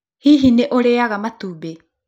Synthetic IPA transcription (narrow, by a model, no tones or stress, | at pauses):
hiɦineʔoɾeaɡamat̪ube